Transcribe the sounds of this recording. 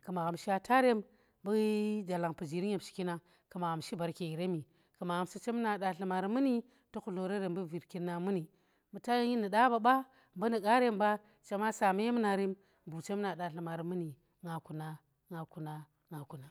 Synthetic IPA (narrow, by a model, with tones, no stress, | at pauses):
ka˨ma˨ɣa˨mʃi˦a˨tʰa˦ɾe˦m | bu˦d͡ʒa˨la˨ŋpu˨d͡ʒi˨ɾi˦e˨mʃi̥˨ki˦na˦ | ka˨ma˨ɣa˨mʃi˦ba˨ɾke˨i˨ɾe˦mi˨ | ka˨ma˨ɣa˨msu˦t͡ʃe˦m˦na˨ɗa˨ɬi˨ma˨ɾi˨˦mu˦ni˦ | to˦ku˨lo˨ɾe˦ɾe˨mbu˦vi˨ɾki˦nːa˨mu˦ni˨ | mu˨ta˦je˦ji˦nə˨ɗa˦ba˨˦ba˦ | mbə˦ni˨ka˦ɾe˦mba˦ | t͡ʃe˦ma˦sa˨ma˦je˦m˦na˨ɾi˦m | bu˨t͡ʃe˦m˦na˨ɗa˨ɬi˨ma˨ɾi˨mɨ˦ni˨ | ŋa˨ku˨na˦ | ŋa˨ku˨na˦ | ŋa˨ku˨na˨˦